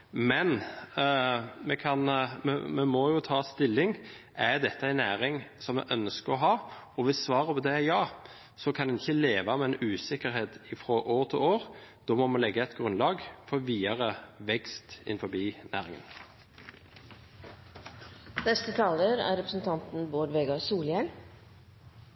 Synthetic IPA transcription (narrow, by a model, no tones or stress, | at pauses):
mɛn | mɛkʰɑnmɛ̰mɛmɔjʊt̪ʰɑːst̪ɪlːɪŋ | ʔæɾd̪ɛt̪ːəæɪnæːɾɪŋsɔmɛ̰ʔœnskəɾɔɦɑːɔʋɪssʋɑːʁəpʰɔd̪ɛjɑː | sɔkʰɑnd̪ɛnɪçːəleːʋɑmɛɛnʉːsɪkːəɾɦeːt̪ɪfɾɔʔoːɾt̪ʰɪloːɾd̪̥ɔːmɔmɑnlɛɡːəɛt̪ɡʁʉnlɑːɡfɔʋiːɑʁəʋɛkst̪ɪ̰nfɔbiːnæ̰ːʁɪŋə̰n | nɛst̪ət̪ʰɑːləɾæ̰ːɾɛpɾəsn̩t̪ʰɑnt̪n̩boːɖ̪ʋeːɡɑsuːljɛŋ